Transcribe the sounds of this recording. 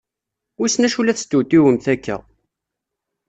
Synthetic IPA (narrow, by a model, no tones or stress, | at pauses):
ʊsnæʃulæθst̪ːut̪iwəmθækːæ̰